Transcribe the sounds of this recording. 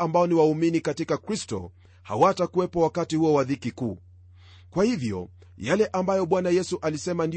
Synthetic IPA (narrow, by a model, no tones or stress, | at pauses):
ambaɔniwauminikatikakɾistɔ̰ | ha̰watakuwɛpɔwakatihuɔwaðikikuː | kwahivjɔ̰ | jalɛʔambajɔɓwanajɛsuʔalisɛmandi